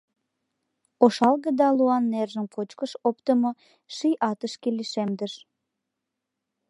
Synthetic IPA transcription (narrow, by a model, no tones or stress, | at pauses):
oʃɑlɣəd̪ɑluɑnːerʒənpʰot͡ɕkəʃopt̪əmo | ʃijʔɑt̪əʃkeliʃemd̪əʃ